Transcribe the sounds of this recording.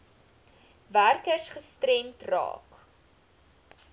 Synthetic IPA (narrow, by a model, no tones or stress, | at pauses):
værkəsχəstrɛmtrɑ̰ːk